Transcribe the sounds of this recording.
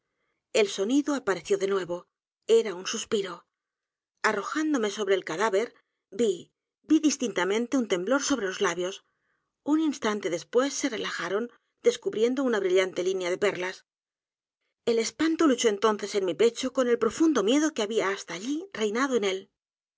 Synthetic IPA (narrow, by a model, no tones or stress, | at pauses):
e̞lso̞niðoapaɾe̞θjo̞ðe̞nwe̞βo̞ | e̞ɾaunsuspiɾo̞ | aro̞xand̪o̞me̞so̞βɾe̞ːlkaðaβe̞ɾ | bi | biðist̪int̪amẽnt̪eunt̪e̞mblo̞ɾso̞β̞ɾe̞lo̞zlaβjo̞s | uninst̪ant̪e̞ðe̞spwe̞sːe̞re̞laxaɾo̞n | d̪e̞skuβɾje̞nd̪o̞unaβɾiʎant̪e̞linjaðe̞pe̞rlas | e̞le̞spant̪olut͡ʃo̞e̞nt̪o̞nθe̞se̞nmipe̞t͡ʃo̞ko̞ne̞lpɾo̞fund̪o̞mje̞ðo̞keaβiaːst̪aːʎire̞jnaðo̞e̞ne̞l